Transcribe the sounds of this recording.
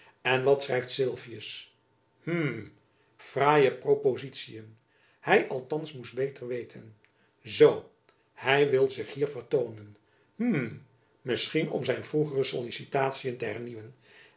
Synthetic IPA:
ɛnʋɑtsrɛjftsɪlˠvijəs | m̩ | fraːjəprowpozitsijən | hɛjʔɑlˠtɑnsmusdbejtəɹʋejtʰən | zow | hɛjʋɪlˠzɪχɦiːɹvəɹtownən | m̩ | mɪsχinɔ̰mzɛjnvruχərəsolisitaːtsijəntəɦɛɹniʋən

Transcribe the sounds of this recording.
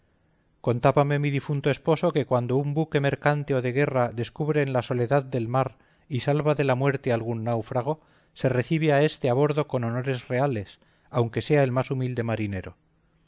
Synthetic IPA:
ko̞nt̪aβame̞miðifunt̪oespo̞so̞ke̞kwand̪o̞umbuke̞me̞ɾkant̪eo̞ðe̞ɣ̞e̞raðe̞skuβɾe̞nlaso̞le̞ðaðd̪e̞lmaɾ | isalβaðe̞lamwe̞ɾt̪e̞alɣunːawfɾaɣ̞o̞ | se̞re̞θiβ̞eae̞st̪eaβ̞o̞ɾðo̞ko̞no̞no̞ɾe̞zre̞ale̞s | awŋke̞se̞ae̞lmasumild̪e̞maɾine̞ɾo̞̰

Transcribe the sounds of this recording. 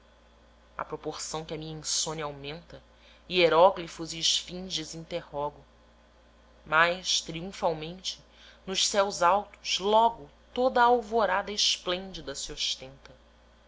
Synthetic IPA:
ɐ̰pɾopoχsɐ̃w̃kʲɪɐmĩɲɐĩsõnawmẽnt̪ɐ | ieɾɔɡlifuziːʃfĩʒd͡ʒɪzĩnt̪ehɔɡʊ | majʃt̪ɾiũfawmẽnt͡ʃɪ̥ | nʊʃsɛwzawt̪ʊ̥ʃlɔɡʊ | t̪od̪ɐawvoɾad̪ɐɪʃplẽnd͡ʒid̪ɐsioʃt̪ẽnt̪ɐ

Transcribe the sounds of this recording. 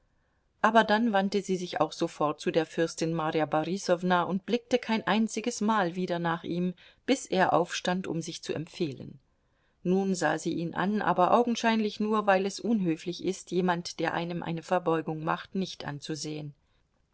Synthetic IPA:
ʔaːbɐdanvantəziːzɪça̰ʊxz̥ofɔɐt̚t͡sudeːɐfʏɐstɪnmaʁjabaʁisɔvnaʊnt̚b̥lɪk̚təkʰaɪnʔaɪnt͡sɪɡəsmaːlviːdɐnaːχʔiːmb̥ɪsʔeːɐʔa̰ʊfʃtantʊ̰mzɪçt͡suɛ̰mfeːlə̰nː | uːnza̰ːziːʔiːnʔa̰nʔa̰ːbɐʔa̰ʊɡŋ̩ʃaɪnlɪçnuːɐvaɪlɛsʔʊnɦøːflɪçʔɪstjeːmantd̥eːɐʔa̰ɪnəmʔa̰ɪnəfɛɐbɔʏɡʊŋmaχtnɪçtʔa̰nt͡suzeːən

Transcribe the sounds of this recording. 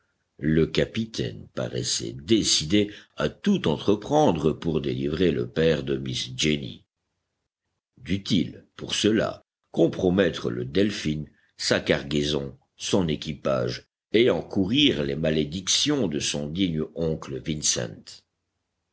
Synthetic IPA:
ləkapit̪ʰɛ̰npa̰ʁɛ̰sɛ̰d̪esid̪eat̪ut̪ɑ̃t̪χəpχɑ̃d̪ʁəpuʁd̪elivʁelə̰pɛʁd̪əmisd͡ʒenḭ | d̪yt̪ilpuʁsəla̰ | kɔ̃pχɔmɛt̪χələ̰d̪ɛlfin | sakaʁɡezɔ̃ | sɔ̃nekʲipa̰ːʒ | eɑ̃kuʁiʁlemaled̪iksjɔ̃d̪əsɔ̃d̪iɲɔ̃kləvinsɛ̰̃nt̪

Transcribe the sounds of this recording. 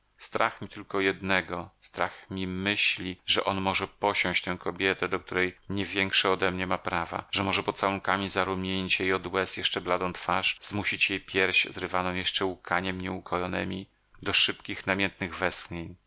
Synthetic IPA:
st̪ɾa̰xmʲit̪ɘlkɔjɛd̪nɛɡɔst̪ɾa̰xmʲimɘɕlʲiʐɛʔɔnmɔʐɛpɔɕɔ̃w̃ɕt͡ɕt̪ɛ̃w̃kɔbʲjɛt̪ɛd̪ɔkt̪uɾɛjɲɛvʲjɛŋkʂɛɔd̪ɛmɲɛmapɾava̰ʐɛmɔʐɛpɔt̪t̪sawuŋkamʲizaɾumʲjeɲit͡ɕjejɔd̪wɛsjɛʂt͡ʂɛblad̪ɔ̃w̃t̪faʂzmuɕit͡ɕjejpʲjɛɾɕzɾɘvanɔ̃w̃jɛʂt͡ʂɛukʰaɲɛmɲɛukʰɔjɔnɛ̰mʲi | d̪ɔʂɘpkʲixnamʲjɛnt̪nɘɣvɛskɲeɲ

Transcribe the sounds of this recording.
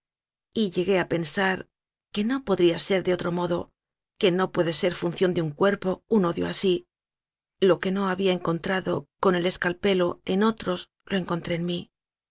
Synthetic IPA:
iʎe̞ɣe̞ape̞nsaɾ | ke̞no̞po̞ðɾiase̞ɾðeo̞t̪ɾo̞mo̞ðo̞ | ke̞no̞pwe̞ðe̞se̞ɾfunθjo̞nd̪euŋkwe̞ɾpo̞uno̞ðjo̰asi | lo̞ke̞no̞aβiaeŋko̞nt̪ɾaðo̞ko̞ne̞le̞skalpe̞lo̞e̞no̞t̪ɾo̞z | lo̞e̞ŋko̞nt̪ɾe̞ːnmi

